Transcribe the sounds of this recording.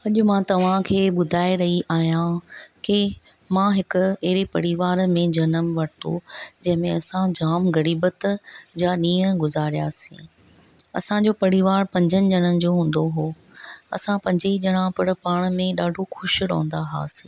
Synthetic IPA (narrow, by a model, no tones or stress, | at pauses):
ɐʄʊmãːt̪ɐʋ̤ãkʰeːɓʊd̪ʱaːeɾɐɦiʔaːɦijãke | mãɦɪkʊ̆eɦɾepɐɽiʋaːɾmẽd͡ʑɐnəmʋɐɽɪt̪o̰d͡ʑɐ̃ɦɪ̃mẽɐsãd͡ʑaːmɡɐɾiːbət̪d͡ʑaːɗĩːə̃ɡʊzaːɾija̰ːsḭ̃ | ɐ̰sãd͡ʑoːpɐɽiʋaːɾpɐ̃ɲd͡ʑʱənɪ̆d͡ʑɐɽ̃ənɪ̆d͡ʑoːɦũːn̆d̪oɦoː | ɐ̰sãpɐ̃ɲd͡ʑeid͡ʑɐɽ̃ãpɐɽ̃̆paːɽ̃mẽɗaːɖʱoxʊʃɾɐ̰̃ːnd̪aɦa̰ːsĩ